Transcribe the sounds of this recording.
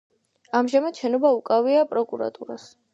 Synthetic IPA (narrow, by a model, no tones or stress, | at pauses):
amʒamat̪ʃɛnɔbaukʼaviapʼɾɔkʼuɾa̰t̪ʼuɾas